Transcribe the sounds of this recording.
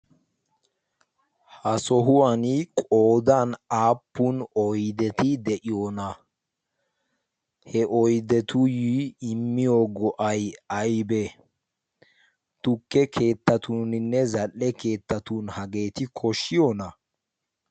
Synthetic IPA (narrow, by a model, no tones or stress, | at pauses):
hɐsɔɦʊwankʼoːd̪aːnaːpːʊnɔjd̪ɛt̪ɪd̪ɛʔɪjoːnɐ | hɛʔɔjd̪ɛt̪ʊjiːɪmːɪjoːɡɔʔɐjɐjbɛ | t̪ʊkːɛkʰe̞ːt̪ːɐt̪unɪnːɛzɐlːɛke̞ːt̪ːɐt̪unhɐɡe̞ːt̪ɪkʰɔʃːɪjonɐ